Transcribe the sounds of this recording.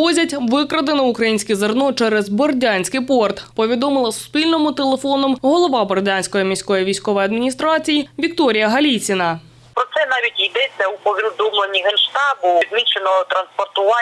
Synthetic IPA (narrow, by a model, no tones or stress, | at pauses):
ɔzʲɐtʲʋɪkɾɐd̪enɔukɾɐjinʲsʲkʲɛzɐrnɔt͡ʃɛɾɛzbɔrdʲanʲsʲkɪpɔrt̪pɔʋʲid̪ɔmɪlˠɐsʊ̥spʲilʲnɔmʊt̪elˠefɔnɔmɦɔlˠɔʋɑbɔrdʲanʲsʲkɔjimʲisʲkɔjiʋʲijsʲkɔʋɔjɐd̪mʲinʲist̪ɾɑt͡sʲijiʋʲik̚t̪ɔɾʲijɐɦɐlʲit͡sʲɪnɐ | pɾɔt̪sɛnɑʋʲitʲjid̪ɛt͡sʲːɐupɔʋʲind̪umlˠenʲiɦenʃt̪ɑbʊd̪mʲit͡ʃenɔt̪ɾɐnspɔrt̪ʊʋɑ